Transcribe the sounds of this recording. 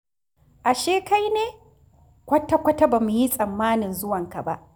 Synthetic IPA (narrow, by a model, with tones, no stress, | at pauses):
ʔa˨ʃeː˦ka˦jneː˦ | kʷɐ˦ta˦kʷɐ˦ta˦baː˨mu˨ji˦sʼɐ˨mːaː˦nɪ˨nzʊ˦wɐ˨ŋka˨ba̰˦ʔ